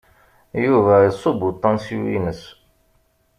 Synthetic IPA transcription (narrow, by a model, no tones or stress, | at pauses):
juvæəsˤobut̪ˤːɑ̃nsṵḭnəs